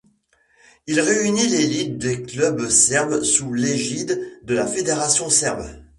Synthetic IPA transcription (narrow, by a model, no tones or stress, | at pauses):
ilʁeynilelit̪̚d̪eklœbsɛʁbsuleʒid̪d̪əlafed̪eʁasjɔ̃sɛʁb